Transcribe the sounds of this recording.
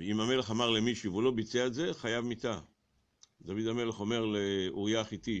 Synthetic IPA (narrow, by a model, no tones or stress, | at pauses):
imame̞le̞χamaʁlemiʃuvulo̞bit͡seaetze̞χajavmit̪a | d̪avid̪ame̞le̞χo̞me̞ʁleuʁijaχit̪i